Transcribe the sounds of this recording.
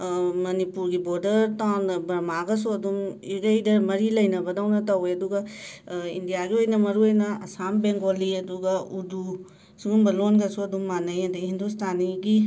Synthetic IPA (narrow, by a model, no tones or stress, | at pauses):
mɐnipuɾɡibɔɾdɐɾtabɐɾmaɡɐsuɐd̪umiɡɐjdɐmɐɾilɐjnɐbɐdawnɐtɐweɐduɡɐ | ḭndijaɡiojnɐmɐɾuojnɐɐsambeŋɡoliɐd̪uɡɐudu | suɡumbɐlonɡɐsuɐd̪umːanɐjɐdɐɦindustʰaniɡi